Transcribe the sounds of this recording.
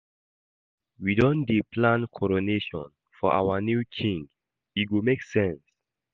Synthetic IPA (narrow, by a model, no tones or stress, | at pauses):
widɔ̃ndepʰlãnkʰɔɹoneʃɔ̰̃n | fɔʔa̰wənjukʰĩŋɡ | it̚ɡomeksɛ̃ns